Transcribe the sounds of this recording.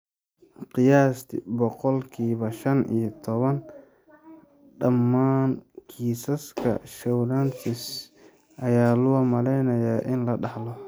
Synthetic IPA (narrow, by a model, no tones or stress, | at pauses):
qɪjaːst̪ʰɪbɔqɔlkʰiːβɐʃɐnḭjɞt̪ʰɔβɐn | ɖɐmːaːnkʰiːsɐskʰɐ̰ʃɔwnant̪ʰɪs | ʔɐjaːlʊmɐlɛjnɐjaːʔɪnlɐɖɑħlɔ